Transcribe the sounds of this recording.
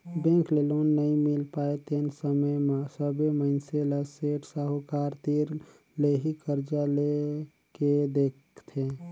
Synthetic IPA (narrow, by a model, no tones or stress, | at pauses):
bẽklelonːəɦĩmɪlpaːet̪ensəməjmẽsəbeməɪnseləseʈsaɦokaːɾt̪iɾ | leɦikəɾd͡ʒale | ked̪ek | t̪ʰe